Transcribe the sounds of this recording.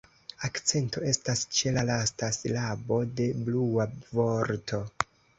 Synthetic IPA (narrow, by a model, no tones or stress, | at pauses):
akt͡se̞nto̞e̞stast͡ʃe̞lalastaslabo̞de̞bluavo̞ɾtʰo̞